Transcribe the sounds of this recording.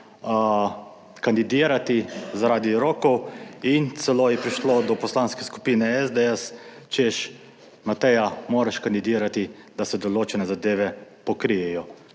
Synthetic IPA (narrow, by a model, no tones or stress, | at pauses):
kand̪id̪iːɾat̪izaɾaːd̪iɾoːkɔwint̪sɛloːjɛpɾiʃlod̪ɔpɔslaːnskɛsku̥piːnɛɛzd̪ɛɛs | t͡ʃeʃ | mat̪ɛjamoːɾaʃkand̪id̪iːɾat̪i | d̪̥asɛd̪ɔloːt͡ʃɛnɛzad̪eːʋɛpɔkɾijɛjɔ